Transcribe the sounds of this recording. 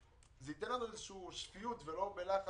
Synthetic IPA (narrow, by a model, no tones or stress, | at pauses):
zeit̪enlanuezeʃuːʃfijut̪velo̞belaχa